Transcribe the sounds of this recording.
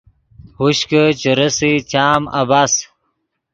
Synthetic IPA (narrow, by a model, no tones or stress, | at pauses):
huɕkət͡ɕəɾəsit͡ɕaːmɐ̰bas